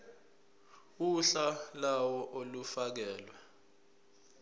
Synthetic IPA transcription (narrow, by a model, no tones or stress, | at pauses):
uɬalawɔʔolufak̬ɛːlwa